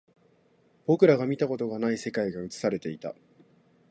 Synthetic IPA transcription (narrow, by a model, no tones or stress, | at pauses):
b̥o̞kɯ̟ɾaɡamʲit̪ako̞t̪o̞ɡanaise̞kaiɡaɯ̟t͡sɨ̥saɾe̞t̪e̞it̪a̰